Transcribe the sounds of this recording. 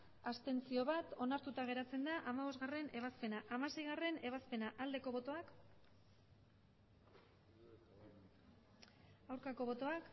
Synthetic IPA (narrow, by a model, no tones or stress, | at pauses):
ast̪e̞nt͡sio̞βat̪o̞naɾt̪ut̪aɣ̞e̞ɾat͡se̞nd̪aʔamaβo̞zɣare̞ne̞β̞aspe̞naʔamase̞jɣare̞ne̞β̞aspe̞naʔald̪e̞ko̞βo̞t̪o̞ak | awɾkako̞β̞o̞t̪o̞ak